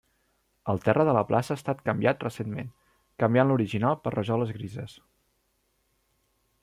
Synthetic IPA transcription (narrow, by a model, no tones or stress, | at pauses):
əlˠt̪ɛrəðələplʔa̰səaːst̪at̪kəmbiat̪rəsenmen | kəmbjanluɾiʒinalˠpərrəʒɔləzɣɾizəs